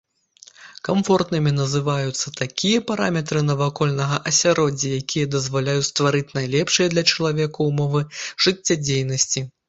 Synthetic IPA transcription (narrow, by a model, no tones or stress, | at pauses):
kamfɔrt̪nɨmʲin̪ɐzɨvajut̪sːɐt̪akʲijɐpaɾamʲɛt̪ɾɨnɐvakɔlʲnɐɣɐʔɐsʲaɾɔd͡zʲɐjakʲijɐd̪ɐzvalʲajut͡sʲst̪vaɾɨt͡sʲnajlʲɛpʂɨjɐd̪lʲɐt͡ʂɐlˠavʲɛkuwmɔvɨʐ̥ɨt͡sʲːad͡zʲejnɐsʲt͡sʲi